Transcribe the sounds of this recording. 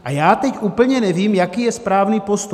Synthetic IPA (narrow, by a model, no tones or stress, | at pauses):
ʔajaːt̪ɛcʔuːpl̩ɲɛnɛviːmjakiːjɛspɾaːvniːpost̪u